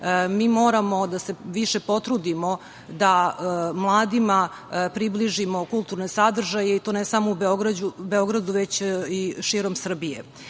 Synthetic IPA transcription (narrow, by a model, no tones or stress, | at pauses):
miːmo̞ːɾamo̞d̪ase̞ʋiʃe̞po̞t̪ɾud̪imo̞ | d̪amlˠaːd̪ima | pɾibliʒimo̞kulˠt̪uɾne̞sad̪r̩ʒajeit̪o̞nesamoubeoɡɾad͡ʑubeo̞ɡɾad̪uʋet͡ɕiʃiːɾo̞msr̩bijḛ